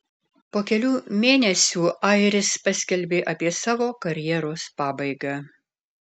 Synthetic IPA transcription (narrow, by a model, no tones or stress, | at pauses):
poːkʲɛlʲuːmʲeːnʲɛsʲuːʔɐɪɾʲɪspɐsʲkʲɛlʲbʲeːʔɐpʲiɛsɑːʋoːkɐɾʲjɛɾoːspɑːbɐɪɡɑː